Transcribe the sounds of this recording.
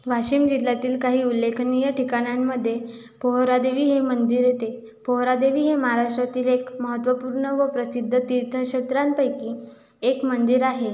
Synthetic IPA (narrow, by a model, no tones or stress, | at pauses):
ʋaɕiːmd͡ʑilːat̪iːlkaɦiːulːekʰnijəʈikaɽ̃jamːəd̪ʱːje | poɦɾad̪eʋiːɦemənd̪iɾjet̪e | poɦɾad̪eʋiːɦemaɦaɾaʂʈɾat̪iːlekməɦət̪ʋəpuːɾɳəʋəpɾəsid̪ʱːət̪iɾt̪ʰəɕət̪ɾanpəjkiː | ekmənd̪iɾaɦe